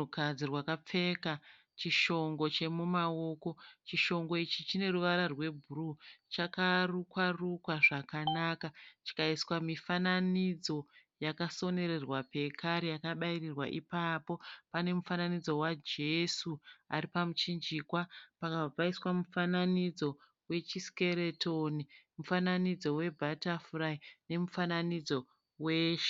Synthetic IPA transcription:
ukad͡zirwakap͡fe̞ka | t͡ʃiʃo̞ŋɡo̞t͡ʃe̞mumao̞ko̞t͡ʃiʃo̞ŋɡo̞it͡ʃit͡ʃine̞ruʋaɾarwe̞bʱurut͡ʃakarukwarukwaʐakanakat͡ʃi̥kaiswamifananid͡zo̞jakaso̞ne̞ɾe̞rwape̞kʰaɾijakaɓairirwa̰ʔipapo̞pane̞mufananid͡zo̞wad͡ʒe̞sua̰ɾipamut͡ʃind͡ʒikwapakaab͡vaiswamufananid͡zo̞ | we̞t͡ʃiske̞ɾe̞tʰonimufananid͡zo̞we̞bʱatafuraine̞mufananid͡zo̞ | weʃe̥

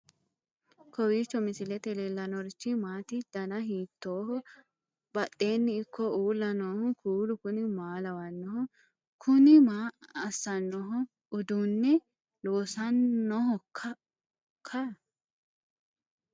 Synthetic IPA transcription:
kɔwiːt͡ʃːɔmɪsɪlɛt̪ɛlelːɐnɔɾt͡ʃːɪmaːt̪ɪd̪̥ɐnɐɦiːt̪ːoːhɔ | bɐɗʼːe̞ːnːɪɪkʰːɔʔuːlːɐnoːhʊkʰuːlʊkʊnɪmaːlɐwɐnːɔhɔ | kʰʊnɪmaːɐsːɐnːɔɦɔ | ʊd̪unːɛ | loːsɐnːɔɦɔkʰːɐ | kʰːɐ

